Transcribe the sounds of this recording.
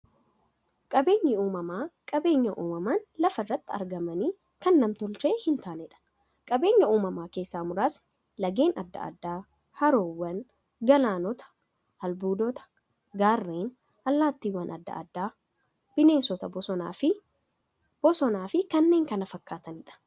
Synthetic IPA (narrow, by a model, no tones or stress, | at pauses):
kʼɐbe̞ːɲːɪuːmɐmaːkʼɐbe̞ːɲːɐʔuːmɐmanlɐfɐrːɐt̪ːɪɐ̰ɾɡɐmɐniː | kɐnːɐmt̪ɔlt͡ʃeːhɪnt̪aːnɛᶑɐ̥n | kʼɐbeːɲːɐuːmɐmaːke̞ːsːaːmʊɾaːs | lɐɡe̞ːnʔɐd̪ːɐ̰ʔd̪ːaː | hɐɾoːwːɐn | ɡɐlaːnɔt̪ɐ̥ | hɐlbuːd̪ɔt̪ɐ̥ | ɡaːrːeːn | ɐlːaːt̪ːiːwːɐnʔɐ̰d̪ːɐ̰ɐ̰d̪ːaː | b̥ɪne̞ːnsɔt̪ɐbɔɔaːfɪ | b̥ɔsɔnaːfɪkɐnːe̞ːŋkɐnɐfɐkːaːt̪ɐnɪᶑɐ̥